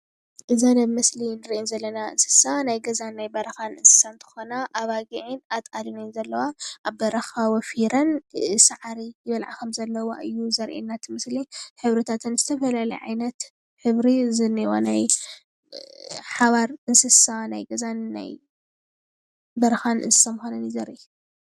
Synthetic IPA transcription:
ʔɨzanɐβmɨslinɨɾiʔinzɐlːɐnaʔɨ̰nsɨ̥sanajɡɐzanːajbɐɾɐxanɨnsɨ̥sant̪ʰɨ̥xonaʔːβaɡiʕinat̪ʼalinnzɐlːɐwaʔaβbɐɾɐxawɔfiɾɐnsaʕaɾijɪβɐlʕa̰kʰɐmzɐlːɐwa̰ʔɨjːuzɐɾʔḛnːat̪ʰɨmɨsliħɨβɾɨt̪ʰat̪ʰɨnzɨt̪ʰɐfɐlalɐ̰jʕa̰jnɐt̪ | ħɨβɾizɨniwa̰naj | ħaβaɾɨnsɨsanajɡɐzanːa̰j | bɐɾɐxanɨ̰nsɨ̥samxonɐnizɐɾʔi

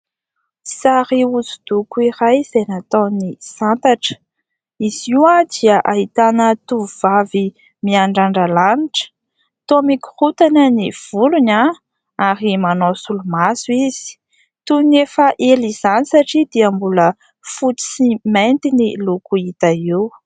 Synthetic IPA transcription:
saɾiud͡zud̪ukuiɾajz̥ejnat̪ownisant̪aʈ͡ʂə̥ | iz̥iwad̪iəʔaɦit̪anət̪uvuvavi | miaɳɖ͡ʐaɳɖ͡ʐalaniʈ͡ʂə̥ | t̪omiku̥hut̪anəniv̥uluna | aɾimanosulumasuiz̥i̥ | t̪unefəʔeliz̥anisaʈ͡ʂid̪̥iəmbulə | fuʈ͡ʂi̥siment̪inilukuit̪aiw

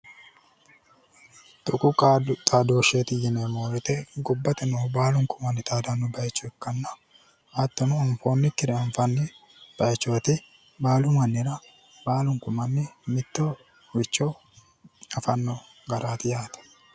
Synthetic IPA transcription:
t̪ʼʊkʼʊkːt̪ʼaːd̪oːʃeːt̪ɪjɪnemoːɾʊt̪ɛɡʊbːɐt̪ɛnɔːbaːlʊŋkʊmɐnːɪt̪ʼaːd̪ɐnːʊbɐjt͡ʃːɔɛkːɐnːɐ | hɐt̪ːɔnʊɔɱfo̞ːnːɪkːɪɾɛɐɱfɐnːɪ | b̥ɐjt͡ʃːoːt̪ɪ | baːlʊmɐnːɪɾɐ | baːlʊŋkʊmɐnːɪmɪt̪ːɔ | wɪt͡ʃːɔ | ɐfɐnːɔ | ɡɐɾʔaːt̪ɪjaːt̪ɐ̥

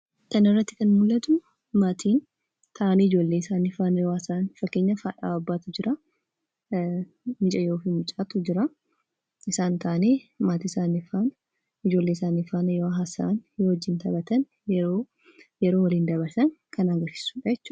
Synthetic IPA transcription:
t̪ɐnɪrːɐt̪ːɪkɐnmʊlːɐt̪ʊ | maːt̪ʰiːn | t̪ʰɐʔanɪd͡ʒo̞ːlːeːɪsaːnɪfaːnɐjoːɐsaːnfɐkːeːɲːɐfaːᶑaːɐbːaːt̪ʊd͡ʒɪɾʔa | mɪt͡ʃʼɐjo̞ːfiːmʊt͡ʃʼaːt̪ʊd͡ʒɪɾa | ɪsaːnt̪ʰɐʔɐneːmaːt̪iːɪsaːnɪfaːn | ɪd͡ʒoːlːeːsaːnifaːnɐjoːɦasaːnjoːhɔd͡ʒːɪnt̪ɐbɐt̪ɐn | jɛɾoː | jɛɾoːwɐliːnd̪ɐβɐɾsɐŋkʰɐnaɡɐɾsɪ̥suːᶑɐjɛt͡ʃːuːɐ

